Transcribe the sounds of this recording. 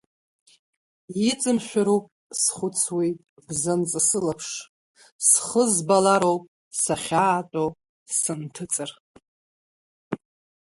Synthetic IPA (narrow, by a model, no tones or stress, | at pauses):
jit͡sʼɨmʃʷᶣaɾupʼ | sχʷʊt͡sʰwitʼ | bzant͡sʼɨsɨlapʰʂ | sχəzbalaɾowpʼ | saχʲaːtʷʼo | sɨntʰɨt͡sʼɨr